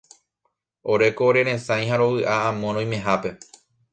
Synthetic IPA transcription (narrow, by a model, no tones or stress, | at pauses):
o̞ɾe̞koːɾe̞ɾẽ̞sãj̃haɾo̞ʋɨʔaãmõɾ̃õj̃mẽ̞ɦape̞